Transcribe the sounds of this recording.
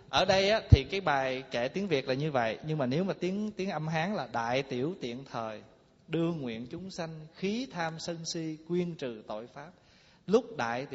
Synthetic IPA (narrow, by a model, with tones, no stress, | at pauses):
ʔəː˧˩ɗə˧jʔaː˨˦t̪ʰi˨˩kaː˨˦jɓaː˨˩jke˧˩t̪i˨˦əŋvi˨˩ək̚laː˨˩ɲɨ˧və̰˧˨jɲɨ˧ŋmaː˨˩ne˨˦wmaː˨˩t̪i˨˦əŋt̪i˨˦əŋʔə˧mɦaː˨˦ŋlaː˨˩ɗa̰ː˧˨jt̪i˧˩əwt̪ḭ˧˨ənt̪ʰəː˨˩j | ɗɨ˧əŋwḭ˧˨ənt͡ɕʊ˨˦ŋ͡msa˧jŋ̟xi˨˦t̪ʰaː˧msə˧nsi˧kwi˧ənt͡ɕɨ˨˩t̪o̰˧˨jfaː˦˥p̚ | lʊ˦˥k͡p̚ɗa̰ː˧˨jt̪